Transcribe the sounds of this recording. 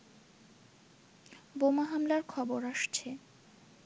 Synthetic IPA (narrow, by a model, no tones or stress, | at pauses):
bomaɦamlaɾkʰɔboɾaʃt͡ɕʰe